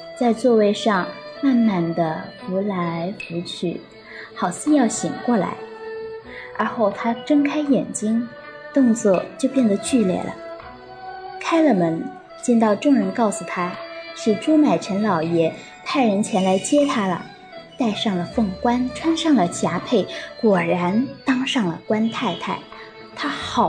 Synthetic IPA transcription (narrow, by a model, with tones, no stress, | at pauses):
t͡sa˥˧ɪt͡swɔ˥˧we˥˧ɪʂɑ˥˧ŋma˥˧nma˥˩nd̪ə˩pu˧˥la˧˥ɪfu˧˥t͡ɕʰy̰˥˩ | xɑ˨˩ʊt͡sʰɹ̩˥˧jɑ˥˩ʊɕi˨˩ŋkwɔ˥˩la̰˧˥ɪ | ə̰˞˧˥xo˥˩ʊt̪ʰa˥ʈ͡ʂɤ˥ŋkʰa˥ɪjɛ˨˩nt͡ɕi˥ŋ | t̪ʊ˥˧ŋt͡swɔ˥˩t͡ɕjo˥˧ʊpjɛ˥˩nd̪ə˩t͡ɕy˥˧ljɛ̰˥˩lʔə̰˩ | kʰa˥ɪlə˨˩mə˧˥n | t͡ɕjɛ˥˧nt̪ɑ˥˧ʊʈ͡ʂʊ˥˩ŋɻə˧˥nkɑ˥˩ʊsu˨˩t̪ʰa˥ʂɻ̩˥˩ʈ͡ʂu˥ma˨˩ɪʈ͡ʂʰə˧˥nlɑ˨˩ʊjɛ˧˥ | t̪ʰa˥˩ɪɻə˧˥nt͡ɕʰjɛ˧˥nla˧˥ɪt͡ɕjɛ˥t̪ʰa˥lə̰˩ | t̪a˥˧ɪʂɑ˥˩ŋlə˩fɤ˥˩ŋkwa˥nʈ͡ʂʰwa˥nʂɑ˥˩ŋlə˩ɕja˧˥pʰe˥˩ɪkwɔ˨˩ɻa˧˥nt̪ɑ˥ŋʂɑ˥˩ŋlə̰˩kwa˥nt̪ʰa˥˧ɪt̪ʰa˥˩ɪ | t̪ʰa˥xɑ˨˩